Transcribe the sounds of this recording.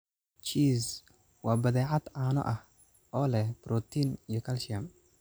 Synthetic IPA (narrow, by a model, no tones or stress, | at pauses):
t͡ʃiːs | wɑːbɐðɛːʕɑd̪̥ʕaːnɔ̰ʔɐh | ʔɔːlɛhb̥ɾɔt̪ʰinijɔkʰɐlʃɪɐm